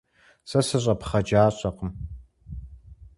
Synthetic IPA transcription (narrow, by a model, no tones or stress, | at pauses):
sɐsɨɕʼɐpχɐd͡ʒaːɕʼɐqəm